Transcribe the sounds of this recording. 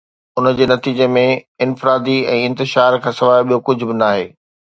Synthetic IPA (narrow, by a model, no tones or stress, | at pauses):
ʊnəd͡ʑeːnɐt̪iːd͡ʑemẽɪ̃nfɪɾaːd̪iɛ̃ːɪ̃nt̪ɪʃaːɾkʰãːsɐʋaːɓijokʊd͡ʑʱʊ̆bɪnaːɦeː